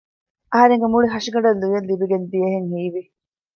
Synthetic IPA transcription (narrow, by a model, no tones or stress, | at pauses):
ʔɐɦɐɾeŋɡemuɭiɦɐʂiɡɐɖɐlːujelːibiɡend̪ijɐɦeŋhiːʋi